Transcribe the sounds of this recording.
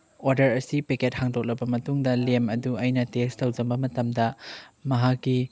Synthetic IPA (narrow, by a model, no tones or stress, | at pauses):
oɾdɐɾɐsipeket̚haŋdok̚lɐbɐmɐtuŋdɐlemɐduɐjnɐtestɐwzɐmbɐmɐtɐmdɐmɐɦakːi